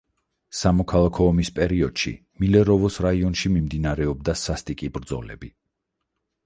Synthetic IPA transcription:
samɔkʰalˠakʰɔːmispʼɛɾiɔd̪̥ʃḭ | milɛɾɔvɔsɾaiɔnʃimimd̪inaɾɛɔb̚d̪asast̪ʼikʼibɾd̪zɔ̰lɛ̰bi

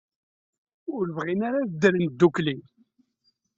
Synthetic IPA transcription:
ʊɾvʁinaɾaðd̪əɾənd̪ːukli

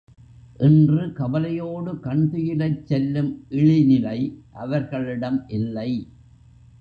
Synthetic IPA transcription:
ʔɪndrɯkɐbɐlɐjoːɽɯkɐɳd̪ɯjɪlɐɪt͡ʃːɛlːɯmʔɪɻɪnɪlɐɪʔɐʋɐɾɣɐɭɪɽɐmʔɪlːɐɪ

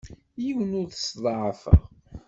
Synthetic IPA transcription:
jiwənʊɾθəsðˤɑʕfə̰ʁ

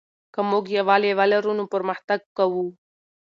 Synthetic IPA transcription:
kɐmoːɡijaʋaːleʋaːlɐɾunũpəɾmɐht̪əɡ̚kɐwu

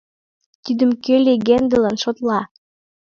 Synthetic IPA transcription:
t̪id̪ə̆mkeleɣend̪ĕlænʃot̪lɑ

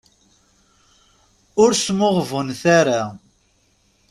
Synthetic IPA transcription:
ʊɾsmʊʁvənθaɾa

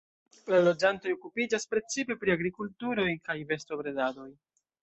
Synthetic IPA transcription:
lalo̞d͡ʒanto̞jo̞kupid͡ʒaspɾe̞t͡sipe̞pɾiaɡɾikultuɾo̞jkajve̞sto̞bɾe̞dado̞j

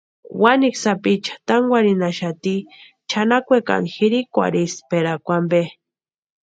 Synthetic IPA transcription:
waniksapit͡ʃḁt̪aŋɡʷwaɾinaʃat̪i | t͡ʃʰanakʷeka̰nxiɾikʷa̰ɾispeɾakʷambe

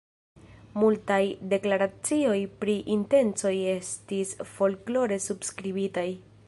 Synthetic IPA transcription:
multajde̞klaɾat͡sio̞jpɾiʔinte̞nt͡so̞je̞stisfo̞lklo̞ɾe̞subskɾibitaj

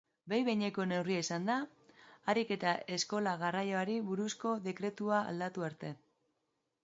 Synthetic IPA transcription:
bejβejɲe̞ko̞ne̞wriaisand̪aː | ɾike̞t̪ae̞sko̞laɣ̞arajo̞aɾiβuɾusko̞ðe̞kɾe̞t̪ua̰ːld̪at̪uaɾt̪e̞

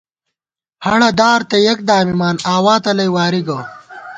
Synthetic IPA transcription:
hɐɽɐd̪aːɾt̪ɐjɐk̚d̪aːmimaːnaːwaːt̪ɐlɐjwaːɾiɡɐ

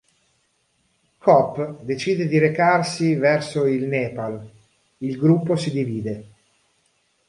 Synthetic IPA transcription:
kʰɔpːd̪et͡ʃiːd̪ed̪iɾekarsivɛrsoilnɛːpal | ilɡɾupːosid̪iviːd̪e

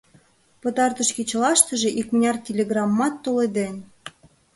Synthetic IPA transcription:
pə̆t̪ɑrt̪ə̆ʃkit͡ɕlɑʃt̪ə̆ʒĕʔikmnʲɑrtʲelʲeɣrɑmːɑt̪ːoled̪en

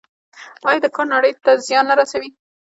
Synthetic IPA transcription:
ɑjɑd̪əkɑnaɽəjt̪azjɑnlaɾasawi

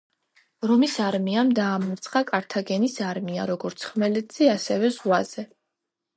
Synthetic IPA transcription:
ɾɔmisaɾmiamd̪aːmɔɾt̪sʰχakʼaɾt̪ʰaɡɛnisaɾmiaɾɔɡɔɾt̪sʰχmɛlɛd̪z̥iasɛvɛzʁwaz̥ɛ

